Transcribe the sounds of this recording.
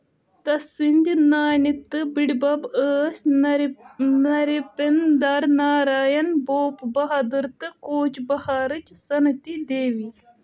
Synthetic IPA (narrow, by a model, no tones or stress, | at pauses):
t̪ɐsinʲd̪ʲinaːnit̪ːɨbiɽbɐbəːsʲ | nɐɾipend̪aɾnaːɾaːjɐnboːpbɐɦɐd̪ɨɾt̪ɨkoːt͡ʃbɐhaːɾɨt͡ʃsɐnɐt̪id̪eːʋi